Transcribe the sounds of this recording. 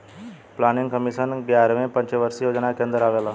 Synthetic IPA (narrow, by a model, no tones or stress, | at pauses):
planiŋɡkəmisənɡjaɾʋẽpə̃ɲt͡ɕeʋəɾsijod͡ʑnakend̪ɾaʋela